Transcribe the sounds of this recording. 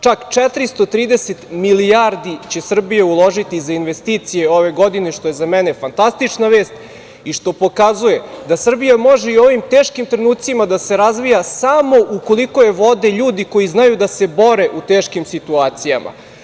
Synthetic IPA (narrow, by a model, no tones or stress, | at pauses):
t͡ʂakt͡ʂɛt̪ɾist̪o̞t̪ɾiːd̪eset̪milijaɾd̪it͡ɕe̞sr̩bijeulˠo̞ʒit̪izainʋe̞st̪iːt̪sijeo̞ʋe̞ɡo̞d̪ineʃt̪o̞jezamene̞fant̪ast̪it͡ʂnaʋe̞ːst̪ | iʃt̪o̞po̞kazuje̞d̪asr̩bijamo̞ʒeio̞ʋimt̪eːʃkimt̪ɾenuːt̪t̪simad̪ase̞ɾazʋijasamo̞ʔuko̞lˠikojeʋo̞d̪e̞ʎuːd̪iko̞iznajud̪ase̞bo̞ɾe̞ʔut̪eːʃkimsit̪uaːt̪sijama̰